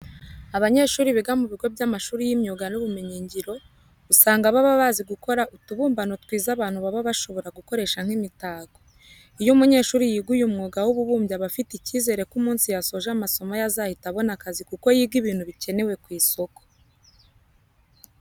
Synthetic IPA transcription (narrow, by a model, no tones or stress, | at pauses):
aβaɲe̞ːʃuːɾiβiɡamuβiɡo̞bjamaʃuːɾijimɲuːɡanuβumeɲiːɲɟiɾo̞ | usaːŋɡaβaβaβaːziɡuko̞ɾaʔutuβuːmbanotkwiːzaβaːnhuβaβaβaʃo̞βo̞ɾaɡuko̞ɾe̞ːʃaŋ̥himitaːɡo | ijumuɲe̞ʃuːɾijiːɡujumŋuːɡawuβuβuːmbjaβafiticiːze̞ɾe̞kumuːnsijaso̞ʒamaso̞majazahitaβo̞nakazikuko̞jiːɡiβiːn̥huβice̞ne̞we̞kwiːso̞ko